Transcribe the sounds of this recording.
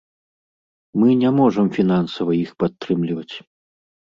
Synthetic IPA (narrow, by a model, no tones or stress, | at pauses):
mɨnʲamɔʐɐmfʲinansɐvɐixpat̪ːɾɨmlʲivɐt͡sʲ